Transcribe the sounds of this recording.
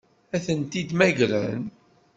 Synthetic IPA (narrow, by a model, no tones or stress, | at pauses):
æθənt̪id̪mæʝlæ̰n